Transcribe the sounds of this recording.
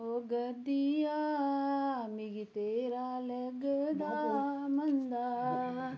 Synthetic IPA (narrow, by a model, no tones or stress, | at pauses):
oɡɐd̪ijaː | miɡit̪eɾaːleɡɐd̪amɐnd̪a